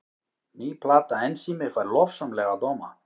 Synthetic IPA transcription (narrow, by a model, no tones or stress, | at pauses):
mipʰlaːt̪aɛnsimɪfaɾlɔfsamlɛɣad̪owma̰